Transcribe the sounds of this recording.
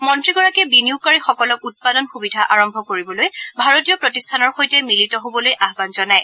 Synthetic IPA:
mɔntɹiɡɔɹakɛbiniukaɹixɔkɔlɔkut̚padɔnxubidʱaʔaɹɔmbʱɔkoɹibɔlojbʱaɹotijɔpɹotistʰanɔɹxojtɛmilitɔɦobɔlojʔaɦbanzɔnaj

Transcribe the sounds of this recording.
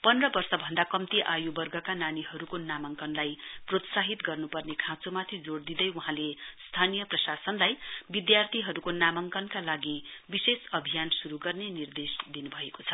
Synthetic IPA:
pʌnrʌbʌrsʌbʱʌnd̪akʌmt̪iʔajubʌrɡʌkananiɦʌɾukonamʌŋkʌnlajprot̪saɦit̪ɡʌrnupʌrnekʰãt͡somat̪ʰid͡zoɽd̪id̪ʌjuɦãlest̪ʰanijʌprʌsasʌnlajbid̪jart̪ʰiɦʌɾukonamʌŋkʌnkalaɡibisesʌbʱijansuɾuɡʌrnenird̪esd̪inubʱʌekot͡sʰʌ

